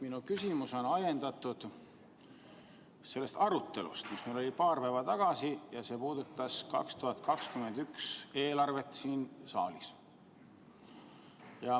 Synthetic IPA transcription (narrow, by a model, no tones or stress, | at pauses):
minukysʲimuso̞nɑje̞nd̪̥ɑt̪ːˑud̪̥ | se̞lːe̞st̪ɑɾut̪ˑːe̞̰lṵst̪mismelo̞lʲipɑːrpævɑt̪ɑɡ̥ɑsijɑse̞ːpuːd̪ut̪ːˑɑskɑ̰kst̪uhɑt̪kɑkskyme̞nd̪ykse̞ːlɑrve̞t̪siːnsɑ̰ːlis | jɑ